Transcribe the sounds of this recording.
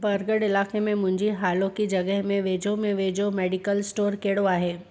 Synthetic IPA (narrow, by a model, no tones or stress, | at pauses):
bɐɾɡəɽɪlaːkemẽmʊ̃ɲd͡ʒiɦaːlõkid͡ʒɐɡəɦmẽʋeːd͡ʒomẽʋeːd͡ʒomɛːɖikəlsʈoːɾkeːɽoaːɦeː